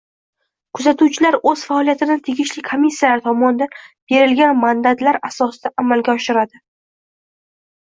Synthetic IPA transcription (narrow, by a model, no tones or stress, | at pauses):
kʰʊzat̪ʰuwt͡ʃʰɪlaɾɵz̥faɒlˠijat̪ʰɪd̪at̪ʰeɡʲɪʃlɪkʰomʲisːijalaɾɪt̪ʰɒmɒnɪd̪anb̥e̞ɾɪlɡʲanmand̪at̪laɾasɒsɪd̪aʔamalɡʲaɒʃɪɾad̪ɪ